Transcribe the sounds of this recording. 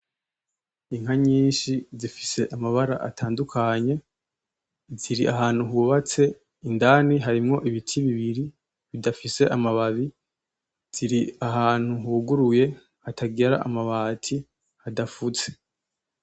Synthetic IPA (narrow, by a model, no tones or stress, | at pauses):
iŋ̥haɲiːnʃizifi̥se̞ʔamaβaɾa̰ʔatʰaːndukʰaɲe̞ | ziɾiʔaɦaːn̥huɦuβat͡se̞ | indaniɦaɾimŋo̞ʔiβitʰiβiβiɾi | βidafise̞ʔamaβaβi | z̥iɾiaɦaːn̥huɦuɡuɾuje̞ | hatʰaɡeɾa̰ʔa̰maβaːtʰi | hadafut͡se̥